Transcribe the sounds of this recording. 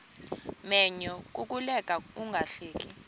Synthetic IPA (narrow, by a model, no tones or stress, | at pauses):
mɛɲɔk̬ʼuk̬ʼulɛkʼauŋɡʱaɬeːk̬ʼi